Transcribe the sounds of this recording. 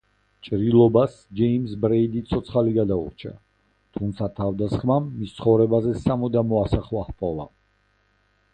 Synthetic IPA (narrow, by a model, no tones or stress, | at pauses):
t͡ʃʼɾilˠɔbas | d͡ʒɛimsbɾɛid̪it̪sʰɔt̪sʰχaliɡad̪aṵɾt͡ʃʰa̰ | t̪ʰumt̪sʰat̪ʰavd̪asχmamːist̪sʰχɔvɾɛbazɛsamɔd̪amɔasaχwaχpʼɔlˠa̰